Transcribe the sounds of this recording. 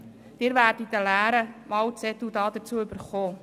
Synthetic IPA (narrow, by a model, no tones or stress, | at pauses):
d̥ɪːɾvæːrdidəlæːɾəmɑwt͡sɛtudɑːd̪əɾt͡suːəʏbəɾχoː